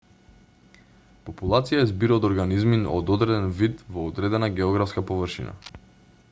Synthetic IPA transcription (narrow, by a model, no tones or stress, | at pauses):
pɔpulˠat̪sijaɛzbiɾaːd̪ɔɾɡanizminɔ̰d̪ɔd̪ɾɛd̪ɛnvid̪vɔːd̪ɾɛd̪ɛnaɡɛɔɡɾafskapɔvərʃḭna̰